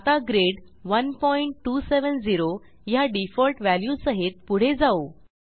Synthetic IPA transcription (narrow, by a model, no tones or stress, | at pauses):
t̪aɡɾeɽ | ʋənpɔiɳʈːuːseʋənd͡ziɾo | jaɖifɔlʈʋæljusəɦet̪̚puɽ̤ed͡zao